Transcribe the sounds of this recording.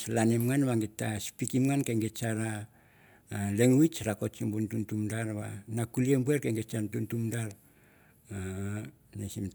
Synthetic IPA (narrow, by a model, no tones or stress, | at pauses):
slanimŋanβaŋɡitːaspikimŋankeŋɡet͡ʃaɾaː | le̞ŋwit͡ʃɾako̞t͡ʃimbuntuntumdaɾβa̰nakuliembueɾkeŋɡet͡ʃatuntumdaɾ | a | nesim